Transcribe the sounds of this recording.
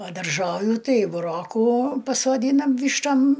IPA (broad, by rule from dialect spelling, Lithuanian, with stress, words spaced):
ˈʋɐ dɐrˈʒoːʋʲʊ ˈtɐɪ bʊˈroːkuː pɐsoːˈdʲiːnɐm ˈʋʲiːʃtoːm